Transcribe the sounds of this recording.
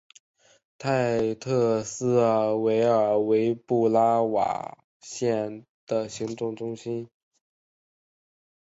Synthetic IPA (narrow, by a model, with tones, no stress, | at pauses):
t̪ʰa˥˧ɪt̪ʰɤ˥˧sɹ̩˥we˧˥ɪə˞˨˩we˧˥ɪpu˥˩la˥wa̰˨˩ | ɕjɛ˥˩n | d̪̥ə˩ɕi˧˥ŋt̪ʊ˥˩ŋʈ͡ʂʊ˥ŋɕi˥n